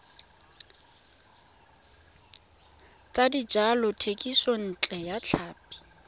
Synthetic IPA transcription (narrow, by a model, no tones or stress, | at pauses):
t͡sʼadid͡ʒalɔtʰekʼison̩t͡ɬʼɛjat͡ɬʰaːpʼi̥